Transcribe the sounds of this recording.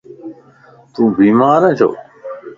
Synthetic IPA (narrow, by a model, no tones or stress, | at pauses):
t̪ũːbiːmaːɾə̃ːt͡ʃʰo̰ː